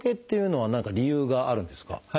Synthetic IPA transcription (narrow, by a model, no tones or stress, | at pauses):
ke̞t̪ːe̞jɯ̟no̞βanãŋkaɾʲijɯːɡaʔaɾɯ̟̃nd̪e̞sɨ̥ka̰ha